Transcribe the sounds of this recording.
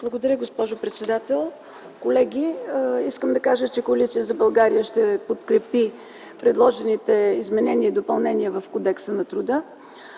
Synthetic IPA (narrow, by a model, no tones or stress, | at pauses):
b̥lˠɐɡod̪ɐɾʲəɡospɔʒopɾɛt̪sɛd̪at̪ɛlˠ | kolɛɡʲiiskəmd̪ɐkaʒət͡ʃɛkoɐlit̪ijəzɐbɐlˠɡaɾijəʃt̪ɛpot̪kɾɛpi | pɾɛd̪lˠɔʒɛnit̪ɛizmɛnɛniəid̪opɐlˠnɛniəvɐfkod̪ɛksənɐt̪ɾud̪ə